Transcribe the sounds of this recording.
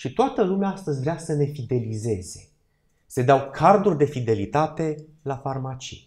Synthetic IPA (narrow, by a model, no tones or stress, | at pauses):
ʃit̪oat̪əlumeaast̪əzʲvɾeasəne̞fid̪e̞lize̞ze̞̥ | sed̪awkʰard̪urʲd̪e̞fid̪e̞lit̪at̪e̞lafarmat͡ʃḭj